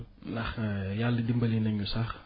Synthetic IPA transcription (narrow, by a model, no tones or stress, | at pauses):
nɐxjalːədimbəlinɛŋjusax